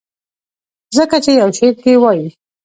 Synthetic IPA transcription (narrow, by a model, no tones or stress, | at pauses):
zəkat͡ʃejawʃeɾ̚kewɑji